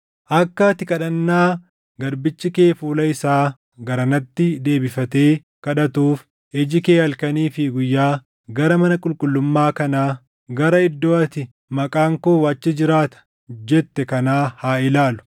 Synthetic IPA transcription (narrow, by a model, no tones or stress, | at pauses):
ʔɐkːɐt̪ɪkʼɐᶑɐnːaː | ɡɐɾbɪt͡ʃːɪke̞ːfuːlɐɪsaː | ɡɐɾɐnɐt̪ːɪd̪e̞ːbɪfɐt̪e̞ː | kɐᶑɐt̪uːf | ɛd͡ʒɪke̞ːhɐlkɐniːfɪɡʊjːaː | ɡɐɾɐmɐnɐkʼʊlkʼʊlːʊmːaːkɐnaː | ɡɐɾɐɪd̪ːoːɐt̪ɪ | mɐkʼaːŋkoːwaːt͡ʃːɪd͡ʒɪɾaːt̪ɐ̥ | d͡ʒɛt̪ːɛkɐnaːhaːɪlaːlʊ̥